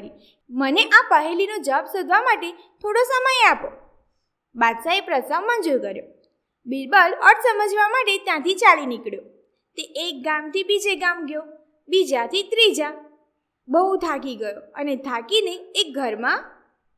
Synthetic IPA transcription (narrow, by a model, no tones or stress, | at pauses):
ɾi | məneʔapəɦelinod͡ʒəbsod̪ʱʋamaʈe | t̪ʰoɽosəməjapo | bad̪saepɾəsammãd͡ʒojkəɾjo | bilbələɾʈ̪ʰsəməd͡ʒʋamaʈet̪jãt̪it͡ʃalinikɭjo | t̪eʔek̚ɡamt̪ibid͡ʒeɡamɡjo | bid͡ʒat̪ʰit̪ɾid͡ʒa | bəɦũt̪ʰak̬iɡəjoənet̪ʰakineːk̚ɡʱəɾmã